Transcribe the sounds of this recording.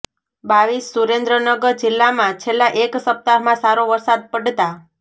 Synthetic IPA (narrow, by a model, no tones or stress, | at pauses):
baʋisːuɾẽnd̪ɾənəɡəɾd͡ʒɪlːamãt͡ʃʰelːaʔeksəp̚t̪aɾmãsaɾoʋəɾsad̪̚pəɖt̪a